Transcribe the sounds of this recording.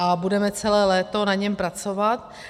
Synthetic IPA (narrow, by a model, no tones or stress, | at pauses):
ʔabudɛmɛt͡sɛlɛːlɛːt̪o̞naɲɛmpɾat͡sovat̪̚